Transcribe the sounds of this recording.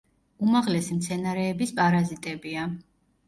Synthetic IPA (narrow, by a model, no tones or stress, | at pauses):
umaʁlɛsimt̪sʰɛnaɾɛːbispʼaɾazit̪ʼɛbia